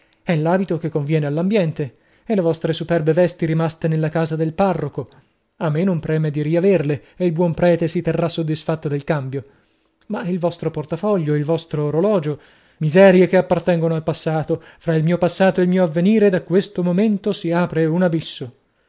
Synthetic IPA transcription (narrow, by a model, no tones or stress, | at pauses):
ɛlːaːbit̪ok̟ekːoɱvjɛːnealːambjɛnt̪e | elevɔst̪ɾesupɛrbevɛst̪iɾimast̪enelːakaːzad̪elparːoko | amːenompɾɛːmed̪iɾiaverleeilbwɔmpɾɛːt̪esit̪erːasːod̪ːisfat̪ːod̪elkambjo | mailvɔst̪ɾoport̪afɔʎːoilvɔst̪ɾoːɾolɔːd͡ʒo | mizɛːɾjekeapːart̪ɛŋɡonoalpasːaːt̪o | fɾailmiːopasːaːt̪oelmiːoavːeniːɾed̪akːwest̪omoment̪osiaːpɾeunabisːo